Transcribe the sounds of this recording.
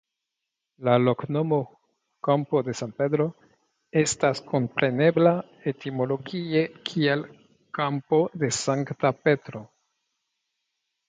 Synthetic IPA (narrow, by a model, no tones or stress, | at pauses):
laloknomo | kampo̞d̪e̞sanped̪ɾo̞ | estaskompɾe̞ne̞bla | etimo̞lo̞ɡiekʰiel | kampo̞d̪e̞saŋktape̞t̪ɾo̞